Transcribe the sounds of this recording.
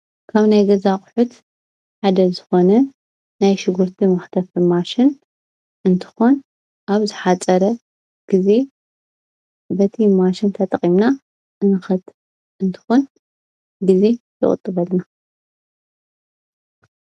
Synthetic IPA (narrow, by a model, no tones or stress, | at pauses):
kʰaβnajɡɐzaχʼħʊt̪ | ħad̪ɐzɨxo̞nɐ | najʃɪɡuɾt̪ʰimɐxt̪ʰɐfɨmaʃɪn | ʔɨnt̪ʰɨ̥xon | ʔaβzɨħat͡sʼɐɾɐ | ɡ̥ize̞ | bɐt̪ʰimaʃɪnt̪ʰɐt̪ʼɐχʼimna | ɨnɨxɐt̪ | ɨnt̪ʰɨ̥xon | ɡize̞t̪ʰɨ̰χʼɨ̰t̪ʼːɨβɐlna